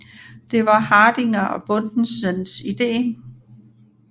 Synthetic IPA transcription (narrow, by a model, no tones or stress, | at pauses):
d̥e̝ʋɑ̈hɑ̈ːd̥iŋɐʔɒ̽b̥ɔ̽nd̥n̩sənsid̥e̝̰ː